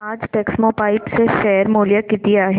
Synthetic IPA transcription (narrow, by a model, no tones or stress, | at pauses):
aːd͡ʒʈeːksmopaːɪpseʃɛːɾmoːlijakɪt̪iaːɦe